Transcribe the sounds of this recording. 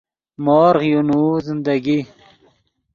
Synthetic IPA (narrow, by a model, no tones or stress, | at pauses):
moːɾʁjunuːzɪnd̪aɡi